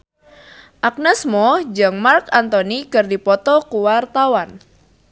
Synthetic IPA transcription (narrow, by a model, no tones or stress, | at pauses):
ʔak̚nɛsmɔd͡ʒəŋmarkant̪ɔnikərdipɔt̪ɔkuwart̪awan